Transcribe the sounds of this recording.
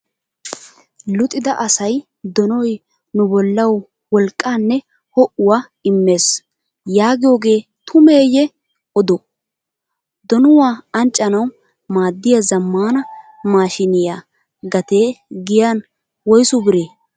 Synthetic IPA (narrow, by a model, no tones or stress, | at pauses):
lʊt̪ʼːɪd̪ɐʔɐsɐj | d̪ɔnɔj | nʊbɔlːɐw | wɔlkʼːaːnːɛ | hɔʔʊwaː | ɪmːe̞ːs | jaːɡɪjo̞ːɡe̞ːt̪ʰʊmeːjɛ | ɔd̪ɔ | d̪ɔnʊwaːɐnt͡ʃʼːɐnɐw | maːd̪ːɪjazɐmːaːnɐmaːʃɪnɪjaː | ɡɐt̪e̞ːɡɪjan | wɔjsʊbɪɾeː